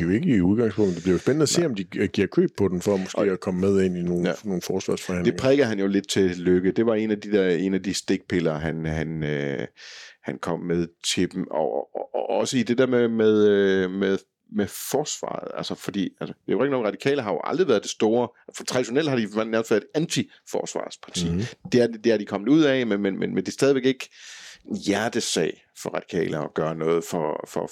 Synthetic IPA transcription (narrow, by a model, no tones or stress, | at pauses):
ejoe̝ɡ̥əiuð̞ˠɡ̥ɑ̈ŋspʰɔŋd̥̩d̥eb̥liɐosb̥enəæse̝̰ːɒ̽md̥iɡ̥iɐ̰kʰø̰ːb̥̚pʰːɒ̽d̥em̩fɒmɔsɡ̥̰ːækʰɒ̽məmeð̞ˠe̝n̰ino̝ːnno̝ːn̩fɒːsʋɑ̈ːsfɒhæn̰d̥e̝eŋpʰʁɛːɡ̥ð̩ˠɦænjo̝le̝d̥̚t͡sʰe̝løɡ̥əd̥e̝ʋɑ̈e̝næd̥id̥eɐ̰e̝̰næd̥isd̥e̝ɡ̥̚pʰe̝lɐɦænɦænø | hænkʰɒ̽m̰með̞ˠt͡sʰe̝d̥emɒɒsəid̥e̝deɐmemeð̞ˠmeðˠ | mefɒːsʋɑ̰̈ːð̩ˠælsəfɒ̽d̥ḭːælsəd̥eoʁeɡ̥inoːŋ̩ʁɑ̈d̥ikʰɛ̰ːlɐɦɑ̈jo̝ʔɑ̈ld̥ʁiʋæːɐð̥ˠe̝sd̥o̝ːɐfɒt͡sʰʁɑ̥iɕo̝nel̰d̥hɑ̈d̥iʋnæɐmfæɐedænt͡sʰi | fɒ̰ːsʋɑ̰̈ːspʰɑ̈t͡sʰḭːd̥e̝æɐdd̥e̝æɐd̥ikʰɒ̽m̰ð̩ˠuð̞̰ˠɛmenmenmenmend̥e̝sd̥ɛːðˠiʋeɡ̥e̝ɡ̥ | jæɐd̥əsɛ̰ɪ | fɒ̽ʁɑ̈d̥i̥kʰɛ̰ːlɐɒɡ̥ɶːɐnɔ̽ːð̞̩ˠfɒfɒ